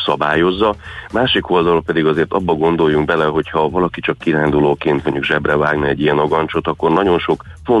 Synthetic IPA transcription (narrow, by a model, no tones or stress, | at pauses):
sɒbaːjo̞zːɒmaːʃikʰo̞ld̪ɒlpɛd̪iɡɒzeːrt̪ɒbːɒɡo̞nd̪o̞jːuŋɡbɛlɛɦo̞chɒvɒlɒkit͡ʃɒkːiɾaːnd̪uloːkeːnt̪mo̞ɲɟuɡʒɛbrɛvaːɡnɛɛɟːijɛnoɡɒnt͡ʃo̞t̪ɒkːo̞rnɒɟo̞nʃo̞k | fo